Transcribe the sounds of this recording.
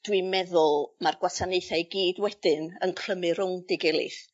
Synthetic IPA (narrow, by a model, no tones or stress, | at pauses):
d̥wimɛðʊlˠmarɡwasaneɨθajɡiːdwɛd̥ɨnənkʰl̥əmɨrhʊŋdɪɡɛlˠɨ̰θ